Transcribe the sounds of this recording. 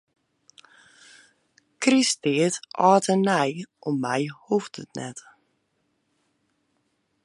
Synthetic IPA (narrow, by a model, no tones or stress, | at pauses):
kristɪətʔaːtʰənɛjʔɔmːɛjhuftʰətnɛt